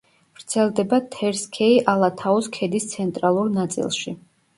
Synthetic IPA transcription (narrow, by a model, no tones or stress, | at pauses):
v̥ɾt̪sʰɛlˠd̪ɛbat̪ʰɛɾskʰɛiʔalˠat̪ʰaɔskʰɛd̪ist̪sʰɛnt̪ʼɾalˠuɾnat̪sʼḭlˠʃi